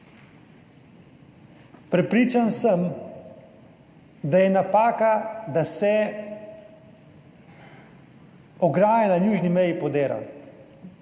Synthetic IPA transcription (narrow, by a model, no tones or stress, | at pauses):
pɾɛpɾiːt͡ʃansəm | d̪ajɛnapaːkad̪asɛ | ɔɡɾaːjɛnajuːʒnimɛjipɔd̪eːɾa̰w